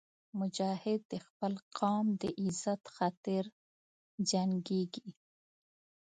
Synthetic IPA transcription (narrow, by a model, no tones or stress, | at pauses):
mʊd͡ʒɑhɪd̪̚ːəxpəlqʰɑmd̪əʔɪzat̪xat̪əɾ | d͡ʒaŋɡeɡi